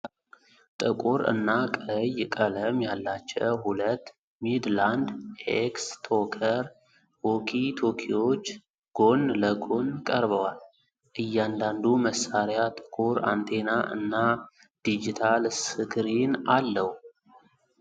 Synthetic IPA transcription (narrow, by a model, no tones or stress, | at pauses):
t̪ʼɨkʼuɾɨ̰nːakʼəjɪkʼələmjalːat͡ʃːɛwhulət̪ː | mid̪land̪ʔekst̪ʰo̞kʰəɾ | wo̞kʰit̪ʰo̞kʰiwo̞t͡ʃː | ɡ̥o̞nləɡo̞nkʼəɾbəwal | ʔɨjːand̪and̪uməsːaɾjat̪ʼɨ̥kʼuɾa̰nt̪ʰe̞naʔɨ̰nːa | d̪̥id͡ʒit̪ʰalsɨɡɾinalːəhu